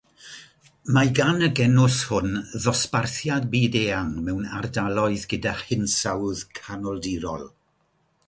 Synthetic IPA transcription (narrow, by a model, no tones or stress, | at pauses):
maɡanəɡɛnʊshʊnðɔsparθjad̚biːdeːaŋmɛwnardalˠɔɨðɡədaχɪnsawðkʰanɔlˠdiɾɔ̰lˠ